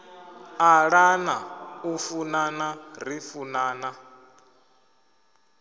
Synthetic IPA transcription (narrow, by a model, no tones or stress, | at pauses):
aɺanaufunanarifunaːna